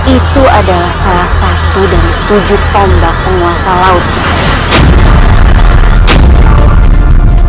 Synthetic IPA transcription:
it̪uadalahsalasat̪udant̪ud͡ʒu | ɔmbapəŋuasalaʊt̪̚

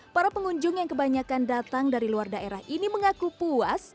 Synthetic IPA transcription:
paɾapəŋuɲd͡ʒʊŋjaŋkəbaɲakandat̪aŋdaɾiluardaʔeɾahʔiniməŋakupuas

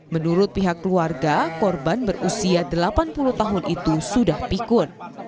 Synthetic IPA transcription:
mənuɾʊt̪̚piɦakːəluarɡakɔrbanbərʔusiadəlapanpuluht̪aɦʊnʔit̪usudahpikʊn

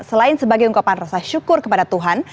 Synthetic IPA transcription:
səlaɪnsəbaɡajuŋkapanrasaʃukʊrkəpadat̪uɦan

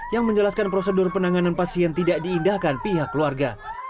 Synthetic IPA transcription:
jaŋməɲd͡ʒəlaskanpɾosədʊrpənaŋananpasiɛnt̪idak̚diːndahkanpiɦakːluarɡa

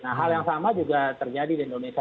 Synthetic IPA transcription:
naɦaljaŋsamad͡ʒuɡat̪ərd͡ʒadidindonesa

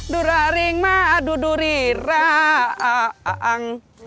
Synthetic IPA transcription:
duɾaɾiŋmaːduduɾiɾaaʔaŋ

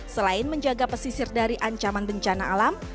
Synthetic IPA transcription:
səlaɪnməɲd͡ʒaɡapəsisɪrdaɾiʔaɲt͡ʃamanbəɲt͡ʃanaːlam

